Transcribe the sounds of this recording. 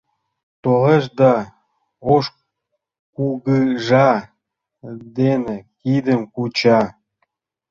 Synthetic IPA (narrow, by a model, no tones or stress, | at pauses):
t̪oleʃd̪ɑ | oʃ | kuɣɯʒɑ | d̪enĕkid̪ə̆mkut͡ɕɑ